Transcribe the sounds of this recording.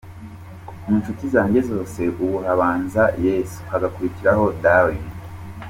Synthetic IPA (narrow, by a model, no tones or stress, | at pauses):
munʃutizaːɲɟe̞zo̞ːse̞ʔuβuhaβaːnzajeːsu̥haɡakuɾiciɾaho̞dawi